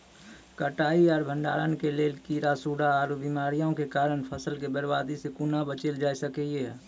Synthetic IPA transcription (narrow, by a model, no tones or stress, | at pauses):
kəʈaːiɔːɾbʱə̃ɳɖa̰ːɾənkeleːlkiɾaːsuːɽaɔːɾbiːmaːɾijõkekaːɾənpʰəsəlkebəɾbaːd̪isekunabət͡ʃeld͡ʒaːisəkee